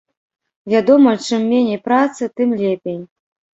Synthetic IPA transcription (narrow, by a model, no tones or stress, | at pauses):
vʲad̪ɔmɐt͡ʂɨmːʲenʲejpɾat̪sɨt̪ɨmlʲepʲej